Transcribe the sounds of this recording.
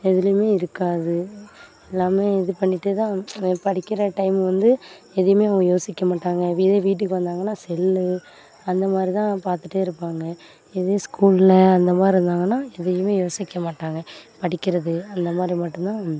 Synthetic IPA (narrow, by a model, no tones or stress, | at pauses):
ɛðɪljmeːɪɾɯkːaːðɯɛlːaːmeːɪðɯpɐɳːɪʈːɯt̪ãːpɐɽɪkːɪɾɐʈɐɪmʋɐnd̪ɯ | ɛðɐjɐmeːɐʋɐɡɐjoːsɪkːɐmaːʈːaːŋɡɐʋiðeːʋiːʈ̬ːɯkːɯʋɐnd̪aːŋɡɐnːaːsɛlːɯ | ɐnd̪ɐmaːd̪ɾit̪ãːpaːɾt̪ɯʈːeːɪɾɯpːaːŋɡɐ | ɛðeskuːlɪlɐɐnd̪ɐmaːd̪ɾiɾɯnd̪aːŋɡɐnːaːɛðɐjɯmeːjoːsɪkːɐmaːʈːaːŋɡɐpɐɽɪkːɪɾɐðɯɐnd̪ɐmaːd̪ɾimɐʈːɯ̃mt̪ãː